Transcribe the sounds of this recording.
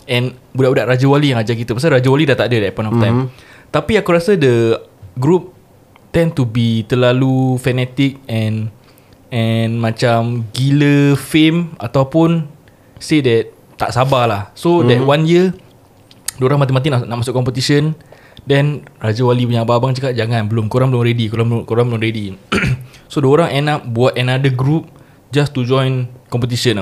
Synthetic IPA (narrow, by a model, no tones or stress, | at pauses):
ɛ̃nbudaʔbudaʔɾad͡ʒəwalijaŋad͡ʒakit̪əpasaɾad͡ʒawalidat̪aʔdədɛt̚pɔj̃nɔft̪ãjm | t̪apiakuɾasədəɡɾup̚ | t̪ɛ̃nt̪ubit̪əlalufɛnɛt̪ik̚ɛ̃n | ɛnmãt͡ʃamɡiləfema̰t̪awpʊn | sedɛt̪̚ | t̪ːa̰ʔsabalahsodɛtwanjə | duoɾaŋmat̪imat̪̬inanaʔmasʊkɔmpət̪isən | dɛnɾad͡ʒawalipuɲababaŋt͡ʃəkat̚d͡ʒaŋãnbəlʊmkoɾaŋbəlʊmɾedikoɾabkoɾaŋbəlʊmɾedi | soduoɾaŋʔɛnap̚buat̪̚ɛnadəɡɾup̚ | d͡ʒast̪ud͡ʒɔ̃jnkɔmpət̪̬iʃən